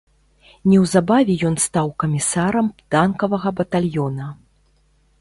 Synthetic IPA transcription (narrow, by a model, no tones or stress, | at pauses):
nʲɛwzabavʲɛjɔnst̪awkɐmʲisaɾɐmpt̪ankɐvɐɣɐbɐt̪alʲjɔnɐ